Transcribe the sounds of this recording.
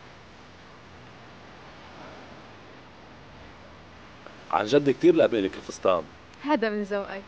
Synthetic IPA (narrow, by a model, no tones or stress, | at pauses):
ʕa̰nʒad̪ːik̚t̪iːɾlaʕbeːlɪkɪlfɪst̪ɑ̰ːm | haːd̪amɪnzawʔaj